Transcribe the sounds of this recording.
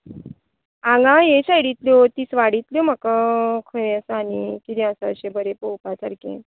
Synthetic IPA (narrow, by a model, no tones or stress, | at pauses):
ãŋɡãjeɕajɽit̪ljot̪iːsʋaɽit̪ljom̤əkakʰəɭeəsanikid̪ĩəsəəɕebʱəɾepowpat͡saɾkḛ̃